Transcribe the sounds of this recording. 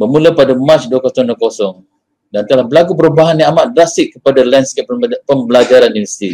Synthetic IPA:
bəmũləpadamãt͡ʃduəkosɔŋdokosɔŋ | dant̪alahbəlakup̬əɾubaɦanːiamaʔ̚dɾasɪʔkəpadalanskeppəmbəlad͡ʒaɾaninvɛsi̥t̪i

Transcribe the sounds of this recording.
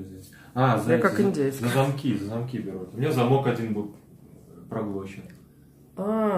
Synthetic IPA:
zʲesʲ | azakakɪnʲdʲej̪zəzɐmkʲizəzɐmkʲibʲɪɾut̪ʊmʲnʲezɐmo̞kɐdʲinbɨlˠ | pɾɐɡlˠoɕɪn | a

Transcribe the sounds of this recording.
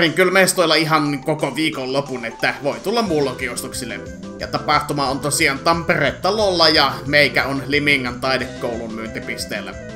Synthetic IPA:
riŋkylmest̪oˑilːɑiɦɑnkokoʋiːkollopunet̪ːæʋoˑit̪ulːɑmmuːlːokiost̪uksilːḛ | jɑ̰t̪ɑpɑht̪umɑont̪osiɑnt̪ɑmpereːt̪t̪ɑlolːɑjɑmeˑikæonlimiŋːɑnt̪ɑˑidekːoˑulummyønt̪ipist̪ḛːlːæ̰

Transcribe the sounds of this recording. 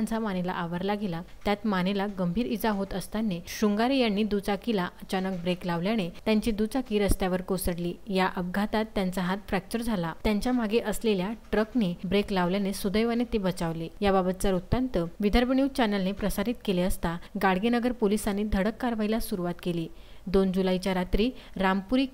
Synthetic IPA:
nt͡samanela̰ʔaʋəɾlaɡilat̪jat̪manelaɡəmbʱiːɾid͡zaɦot̪əst̪anːeɕuŋɡaɾijanːiːd̪ut͡sakilaʔət͡ɕanək̚bɾeklaʋljanet̪jaɲt͡ɕid̪ut͡sakiɾəst̪jaʋəɾkosəɽliːjaʔəb̚ɡʱat̪at̪ːjant͡saɦat̪fɾɛk̚t͡ɕəɾd͡zʱalat̪jaɲt͡ɕjam̤aɡeʔəsleljaʈɾəknebɾeklaʋljanesud̪əjʋanet̪ebət͡saʋlejababət̪t͡saɾut̪ːant̪əʋid̪ʱəɾbɳiʋt͡ɕɛnəlnepɾəsaɾit̪keleəst̪aɡaɽ̤ɡenəɡəɾpolisaned̪ʱəɽəkːaɾʋailasuɾuʋat̪keliːd̪ond͡ʑulajt͡ɕjaɾat̪ɾiːɾampuɾiːk

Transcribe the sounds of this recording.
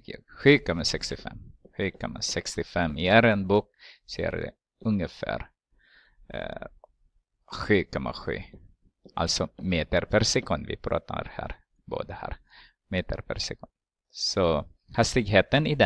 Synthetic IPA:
jɑɧʉ̟ːkɔmːasɛkst̪ɪfɛ̰mːɧʉːkʰɔmːasɛkst̪ɪfɛmːɪæɾɛnbuːk̚sɛæ̰ɾd̪ɛ̰ | ɵŋːəfæ̰ːɾ | ɧʉ̟ːkʰɔmːa̰ɧy̟̰ː | ʔalt̪sɔmeːt̪əɾpʰæɾsɛkʰɵnd̪vɪ̰pʰɾɑ̰ːt̪ʰa̰ɾhæ̰ːɾ | bo̰ːd̪əhæːɾ | meːt̪əɾpʰæɾsɛkɵnd̪ | sɔhast̪ɪɡɦeːt̪ənɪd̪ɛ

